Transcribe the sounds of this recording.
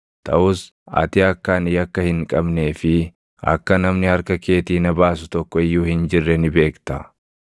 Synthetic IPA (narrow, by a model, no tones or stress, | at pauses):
t̪ʰɐ̰ʔʊs | ɐ̰t̪ɪɐkːaːnɪjɐkːɐhɪŋkʼɐbne̞ːfɪ | ɐ̰kːɐnɐmnɪhɐɾkɐke̞ːt̪iːnɐbaːs̬ʊt̪ɔkːɔɪjːuːhɪnd͡ʒɪrːɛnɪbe̞ːkt̪ɐ